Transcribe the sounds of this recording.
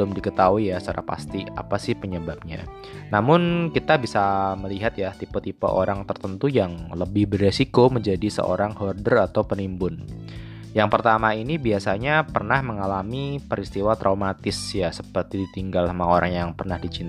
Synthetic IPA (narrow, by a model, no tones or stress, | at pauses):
əlʊmdikət̪auijasaɾa̰hpa̰st̪ia̰pasɪhpəɲəbap̚ɲa̰ | namʊnkit̪abisaməliɦat̪jat̪ipot̪ipo̰ʔoɾaŋt̪ərt̪ənt̪ujaŋləbɪhbərːesikoməɲd͡ʒadisə̰ʔo̰ɾaŋhɔrdərat̪awpənimbʊn | jaŋpərt̪amainibiasaɲapərnahməŋalamipəɾist̪iwat̪ɾʔaumat̪ɪsjasəpərt̪idit̪iŋɡalamaoɾaŋjaŋpərnahdit͡ʃin